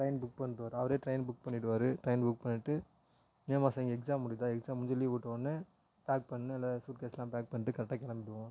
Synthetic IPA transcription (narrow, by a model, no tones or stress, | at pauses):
ʈɾɐɪnbʊk̚pɐɳːɪʈɯʋaːɾɯɐʋɐɾeːʈɾɐɪnbʊk̚pɐɳːɪʈːɯʋaːɾɯʈɾɐɪnbʊk̚pɐɳːɪʈːɯ | niɐmaːsaŋɡɐɛksaːmːʊɽɪt̪ãːɛksaːmːʊɲd͡ʒɐliʋuːʈːɐʋɐnːɯ | paːk̚pɐɳːɯɛlːasuːʈ̚keːslãːpaːk̚pɐɳːɪʈːɯkɐɾɐʈːaːkɛlɐmbɪʈːɯʋõ